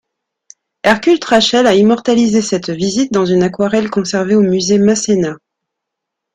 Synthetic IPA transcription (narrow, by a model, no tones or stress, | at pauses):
ɛʁkʲylt̪χaʃɛlaimɔʁt̪alizesɛt̪vizit̪̚d̪ɑ̃zynakwaʁɛlkɔ̃sɛʁveomyzemasena